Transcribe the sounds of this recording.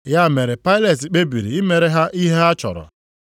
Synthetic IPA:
ja˦˨me˨ɾe˨pa˦ɪ˦le˨ti˨k͡pe˦bi˨ɾḭ˨i˦me˨ɾe˨ɦa˦ʔi˦ɦe˦a˦t͡ʃɔ̰˨ɾɔ̰˨

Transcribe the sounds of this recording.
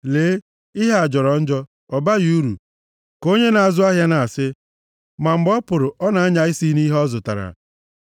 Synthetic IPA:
leː˨˦ | i˦ɦe˦a˨d͡ʒɔ˨ɾɔ˨˦n̩˦d͡ʒɔ˦ | ɔ˨ba˦ji˨u˦ɾṵ˨ | ko˦ɲe˦na˨a˨zʊ˦a˦ɦja˦na˨a˨sɪ˦ | ma˨ŋ͡m̩˨ɡ͡bɔ˦pʊ˨ɾʊ˨ʔɔ˦na˨a˦ɲa˨i˦si˦ni˦ɦɔ˦zʊ˨ta˨ɾa̰˨

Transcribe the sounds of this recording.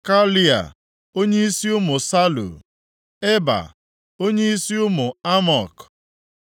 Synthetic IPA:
ka˦li˦a̰˨ | o˦ɲe˦i˦si˦ʊ˦mʊ˨sa˦lṵ˨ | e˦ba̰˨ | o˦ɲe˦i˦si˦ʊ˦mʊ˨a˦mɔ˨k

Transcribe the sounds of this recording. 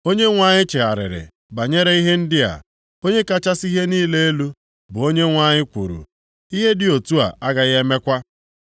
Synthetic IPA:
o˦ɲe˦ŋʷa˦ɲɪ˦t͡ʃe˨a˨ɾɪ̰˨ɾɪ̰˨ | ba˨ɲe˦ɾe˦i˦ɦe˦n̩˦dɪ˦a̰˨ | o˦ɲe˦ka˦t͡ʃa˦si˦ɦe˦niː˦le˦e˦lu˦ | bʊ˨o˦ɲe˦ŋʷa˦ɲɪ˦kʷṵ˨ɾṵ˨ | i˦ɦe˦dɪ˨o˨tu˦a̰˨ʔa˦ɡa˨ɣe˦me˦kʷa˦

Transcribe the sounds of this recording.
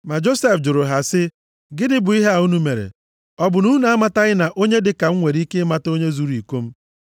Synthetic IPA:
ma˨d͡ʒo˦se˦fd͡ʒʊ˨ɾʊ˨ɦa˨sɪ˦ | ɡɪ˦dɪ˦bʊ˨i˦ɦe˦a˨u˦nu˦me˨ɾḛ˨ | ɔ˦bʊ˨nu˦n˦a˦ma˨ta˦ɣɪ˦na˨ʔo˦ɲe˦dɪ˨ka˨ŋ̩˦ŋʷe˨ɾi˦ke˦ma˨to˦ɲe˦zu˦ɾi˨ko˦m̩˦

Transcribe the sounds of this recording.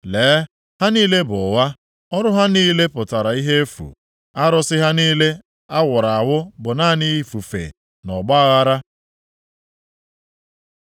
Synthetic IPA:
leː˨˦ | ha˦niː˦le˦bʊ˨ɣa˦ | ɔ˦ɾʊ˦ɦa˦niː˦le˦pʊ˨ta˨ɾa˨i˦ɦe˦e˦fṵ˨ | a˦ɾɔ˦sɪ˦ɦa˦niː˦le˦ | a˦wʊ˨ɾa˨a˨wʊ˦bʊ˨naː˦˨ni˦˨fu˨fḛ˨ | nɔ˨ɡ͡ba˦ɣa˦ɾa˦

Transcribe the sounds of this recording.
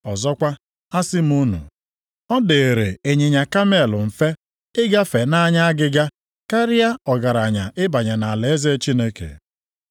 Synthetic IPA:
ɔ˨zɔ˦kʷa˦ | a˦sɪ˦m˦u˦nṵ˨ | ɔ˦de˨e˨ɾe˨e˨ɲe˨ɲa˨ka˦me˦˨lʊ˨m̩˨fe˦ | ɪ˦ɡa˦fe˨na˦ɲa˦a˦ɡɪ˦ɡa˦ | ka˦ɾɪ˦ja˦ɔ˨ɡa˨ɾa˨ɲa˨ʔɪ˦ba˨ɲa˨na˨a˨le˨e˦ze˦t͡ʃi˦ne˦kḛ˨

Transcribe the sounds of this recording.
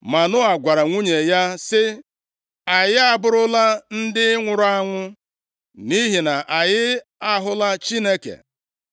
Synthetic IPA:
ma˨nʊ˦a˨ɡʷa˨ɾa˨ŋʷu˦ɲe˨ja˦sɪ˦ | a˨jɪ˦a˦bʊ˦ɾʊ˦la˦n̩˦dɪ˦ŋʷʊ˨ɾʊ˦a˦ŋʷʊ˦ | ni˦ɦi˨na˨ʔa˨jɪ˦ | a˦ɦʊ˦la˦t͡ʃi˦ne˦kḛ˨

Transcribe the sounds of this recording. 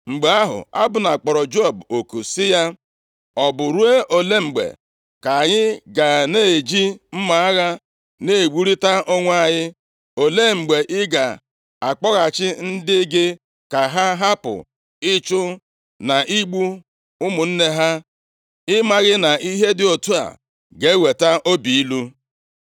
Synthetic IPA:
ŋ͡m̩˨ɡ͡be˨a˦ɦʊ̰˨a˦bʊ˨na˨k͡pɔ˨ɾɔ˨d͡ʒo˦˨bo˨ku˨sɪ˦ja˦ | ɔ˨bʊ˨ɾu˦e˦ʔo˨le˦ŋ͡m̩˨ɡ͡bḛ˨ | ka˨ɲɪ˦ɡa˨ne˦˨e˨d͡ʒi˦m̩˦ma˨a˦ɣa˦ | ne˨e˨ɡ͡bu˦ɾi˦ta˦ʔo˦ŋʷ˦a˦˨ɲɪ˦ | o˨le˦˨ŋ͡m̩˨ɡ͡be˨ʔɪ˦ɡa˨ | a˨k͡pɔ˦ɣa˨t͡ʃɪ˦n̩˦dɪ˦ɡɪ˦ | ka˨ɦa˦ɦa˦pʊ̰˨ | ɪ˦t͡ʃʊ˦ | na˨ʔi˦ɡ͡bu˦ | ʊ˦mʊ˨n̩˦ne˦ɦa˦ | ɪ˦ma˦ɣɪ˦na˨ʔi˦ɦe˦dɪ˨o˨tu˦a̰˨ | ɡe˨˦we˨ta˦ʔo˦bi˨i˦lu˦

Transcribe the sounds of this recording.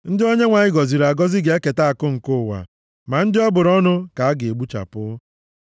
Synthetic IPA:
n̩˦dɪ˦o˦ɲe˦ŋʷa˨ɲɪ˦ɡɔ˨zi˨ɾa˨ɡɔ˦zɪ˦ɡe˨˦e˦ke˨ta˦a˨kʊ˦ŋ̩˨kʊ˦˨wa̰˨ | ma˨n̩˦dɪ˦ɔ˦bʊ˨ɾɔ˦nʊ˦ka˨a˦ɡɪ˨e˨ɡ͡bu˦t͡ʃa̰˨pʊ˦

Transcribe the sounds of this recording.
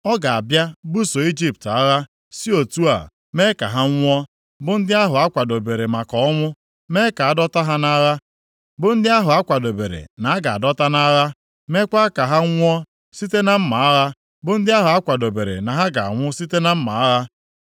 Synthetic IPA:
ɔ˦ɡa˨a˨bja˦bu˦so˨i˦d͡ʒi˦p̚ta˦ɣa˦ | si˦o˨tu˦a̰˨ | me˦ka˨ɦa˦ŋʷ˦ɔ˦ | bʊ˦n̩˦dɪ˦a˦ɦʊ˨a˦kʷa˨do˨be˨ɾe˨ma˨kɔ˨ɔ˦ŋʷʊ˦ | me˦ka˨a˨dɔ˦ta˦ɦa˦na˦ɾa˦ | bʊ˦n̩˦dɪ˦a˦ɦʊ˨a˦kʷa˨do˨bḛ˨ɾḛ˨na˨a˦ɡa˨a̰˨dɔ˦ta˦na˦ɣa˦ | me˦kʷa˦ka˨ɦa˦ŋ̩ʷ˦ɔ˦ | si˦te˦na˦m̩˦ma˨a˦ɾa˦ | bʊ˦n̩˦dɪ˦a˦ɦʊ˨a˦kʷa˨do˨be˨ɾḛ˨na˨ɦa˦ɡa̰˨ŋʷʊ˦si˦te˦na˦m̩˦ma̰˨a˦ɾa˦

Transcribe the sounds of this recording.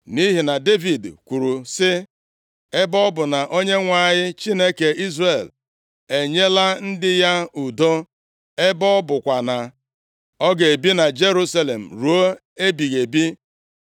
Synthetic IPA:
ni˦ɦi˨na˨de˦vi˨dkʷu˨ɾu˨sɪ˦ | e˦bɔ˦bʊ˨na˨ʔo˦ɲe˦ŋʷa˨ɲɪ˦t͡ʃi˦ne˦ke˨i˦zre˨l | e˨ɲe˦la˦n̩˦dɪ˦ja˦u˨do˦ | e˦bɔ˦bʊ˨kʷa˨na˨ | ɔ˦ɡe˨e˨bi˦na˨d͡ʒe˦ɾu˦sa˦le˨m̩˨ɾu˨o˦ | e˦bi˨ɣe˨bi˦

